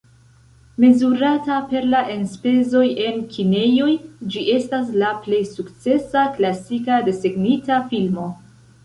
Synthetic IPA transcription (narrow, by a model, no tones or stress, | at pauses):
me̞zuɾatape̞ɾlaʔe̞nspe̞zo̞je̞nkʰine̞jo̞jd͡ʒiʔe̞stas̬laple̞jsukt͡se̞saklasikade̞se̞ɡnitafilmo̞